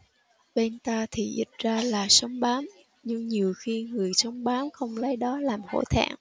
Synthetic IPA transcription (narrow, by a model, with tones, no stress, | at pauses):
ɓe˧nt̪aː˧t̪ʰi˨˩zḭ˨˩t̚zaː˧laː˨˩sə˨˦wŋ͡mɓaː˨˦m | ɲɨ˧ŋɲi˨˩əwxi˧ŋɨ˨˩əjsə˨˦wŋ͡mɓaː˨˦mxə˧wŋ͡mlə˨˦jɗɔ˨˦laː˨˩mho̰˧˩t̪ʰa̰ː˧˩˨ŋ